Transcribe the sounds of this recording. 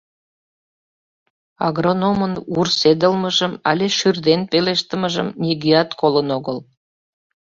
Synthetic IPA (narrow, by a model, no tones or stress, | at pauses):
ɑ̰ɡronomənursed̪əlməʒəmɑ̰lʲeʃyrd̪enpeleʃt̪əməʒə̰mnʲiɡiɑt̪kolənoɣəl